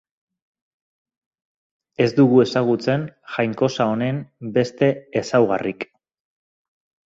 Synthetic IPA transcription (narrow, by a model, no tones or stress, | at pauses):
e̞zd̪uɣue̞saɣ̞ut͡se̞nxajŋko̞sao̞ne̞mbe̞st̪e̞ːsawɣa̰rik